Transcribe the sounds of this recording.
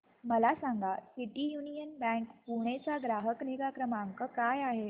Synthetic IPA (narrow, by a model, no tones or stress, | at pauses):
məlasãŋɡʱasiʈijunijənbɛ̃ŋkpuɽ̃et͡saɡɾaɦəkneɡakɾəmaəŋkəkajaɦe